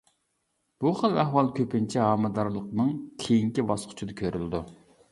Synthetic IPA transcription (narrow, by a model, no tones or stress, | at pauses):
b̥uχəlˠæɦwɑlˠkʲʰøpɪnt͡ʃʰiɦɑːmɨd̪ɑɾlˠəqnɨŋkʲʰejiŋkʲibɑsqʰʊ̥t͡ʃʰud̪ɑkʲʰøɾylɪd̪u